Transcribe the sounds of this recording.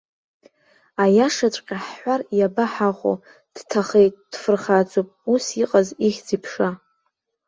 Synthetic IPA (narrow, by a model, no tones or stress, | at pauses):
ajaʂat͡ʃʷʼqʲʼaħːʷarjabaħaχʷo̰ | d̥tʰaχejt̚ʼd̥fɨrχad͡zopʼusiqʼaziχʲd͡zipʰʂa